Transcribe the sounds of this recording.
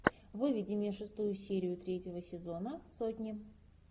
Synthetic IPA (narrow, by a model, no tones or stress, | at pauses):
vɨvʲɪdʲɪmʲeʂɨst̪ujʊsʲeɾʲɪjʊt̪ɾʲetʲɪvəsʲɪzo̞nəsotʲnʲɪ